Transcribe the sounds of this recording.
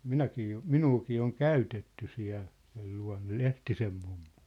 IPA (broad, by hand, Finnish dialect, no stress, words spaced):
minækiː jo minuːkiː oŋ kæytetːy siæ̝l sel luɑ̝nːɑ lehtisem mumːu̥